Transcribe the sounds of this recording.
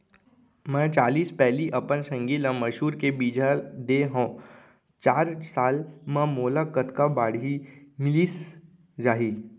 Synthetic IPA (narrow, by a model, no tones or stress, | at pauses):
mɛ̃ːt͡ʃaːliːspɛɦliʔɐpənsə̃ŋɡiːlə̃məʃuːɾkebiːd͡ʒʱad̪eɦõ | t͡ʃaːɾsaːlmɛ̃moːlakət̪kabaːɽimɪliːs | d͡ʒaːɦiː